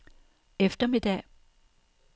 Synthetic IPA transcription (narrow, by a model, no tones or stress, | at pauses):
efd̥ɐmid̥ɛ̰